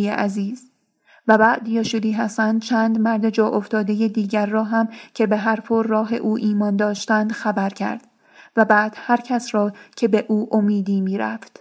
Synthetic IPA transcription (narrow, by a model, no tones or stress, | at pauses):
ḛʔæziːz̥ | væbæːʔd̪jɒːʃuːd̪iːɦæst̪ænd̪̥̚t͡ʃʰæːnd̪mæɾd̪e̞d͡ʒɒːʔoft̪ɒːd̪e̞je̞d̪iːɟæɾːɒːɦæmcʰe̞beɦæɾfʰoɾːɒːɦḛʔuːʔiːmɒːnd̪ɒːʃt̪ænd̪̥xæbæɾcʰæ̰ɾd̪̥ | væbæːd̪̥hæɾcʰæsɾɒːcʰe̞be̞ʔuːʔomiːd̪iːmiːɾæ̰ft̪